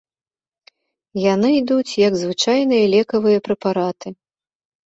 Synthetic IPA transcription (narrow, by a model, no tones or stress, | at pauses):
janɨjd̪ut͡sʲjɐɡzvɨt͡ʂajnɨjɐlʲɛkɐvɨjɐpɾɛpaɾat̪ɨ